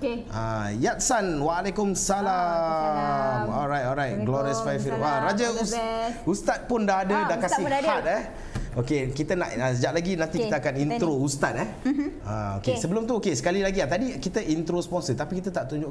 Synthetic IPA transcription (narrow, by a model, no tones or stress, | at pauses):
ʔa̰ | jat̪̚sanwaːlakʊmsala | mɔlɾajt̪̚ɔlɾajt̚ɡlɔɾiəsfajfilaɾad͡ʒausust̪at̪̚pʊndaɦadədakasihat̪̚ɛ | okekit̪əna̰ʔasəd͡ʒaʔ̚laɡinãnt̪ikikt̪əakanint̪ɾoust̪at̪̚ɛ | a̰o̰kesəbəlʊmt̪uokesə̥kalilaɡiat̪adikit̪əʔint̪ɾospɔnsət̪apikit̪ət̪aʔt̪uɲd͡ʒʊʔ